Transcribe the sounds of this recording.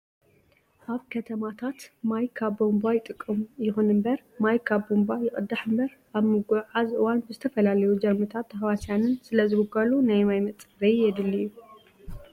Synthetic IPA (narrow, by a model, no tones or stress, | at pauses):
ʔaβkʰɐt̪ʰɐmat̪ʰat̪majkʰaβbombajɪt̪ʼɨkʼːɨmujɪxunɨmbɐɾ | majkʰaβbombajɪχʼɨd̪aħɨmbɐɾ | ʔaβmɨɡuʕazʔɨwanbɨzɨt̪ʰɐfɐlalɐjud͡ʒɐɾmɨt̪ʰat̪ʰːɐhwasjanɨnsɨlɐzɨɡuɡɐlunajmajmɐt͡s̪ʼbɐjjɛd̪ɨlːiju